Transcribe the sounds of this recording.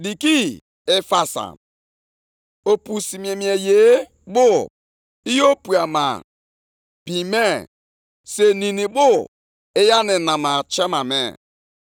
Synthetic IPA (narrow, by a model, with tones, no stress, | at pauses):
di˨ki˦ | e˦fa˨sa̰˨ | o˨pu˨si˨mi˨e˨mi˨e˨je˨˦ | bʊ˦ | i˦jo˦pu˨a˨ma̰˨ | b̥i˨me˦˨ | se˨ni˨ni˨bʊ˦ | ɪ˦ja˦nɪ˨na˨ma˨t͡ʃɛ˦ma˨mḛ˨